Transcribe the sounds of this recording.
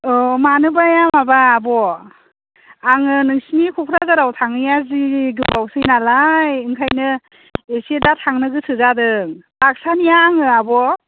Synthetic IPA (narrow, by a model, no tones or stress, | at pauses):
ɔmanɯbajamabaːbɔ | aŋɯnɯŋsinikʰɔkʰɾazaɾawtʰaŋɯjaziɡɯbawsɯjnalajɯŋkʰajnɯ | esiedatʰaŋnɯɡɯsʰɯzadɯŋbak̚sanijaːŋɯabɔ